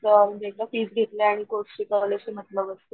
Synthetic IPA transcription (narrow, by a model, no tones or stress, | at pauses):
t̪əd̪elafiːsɡʱet̪leaɽ̃ikoikəʋleɕem̤ət̪ləbəst̪ə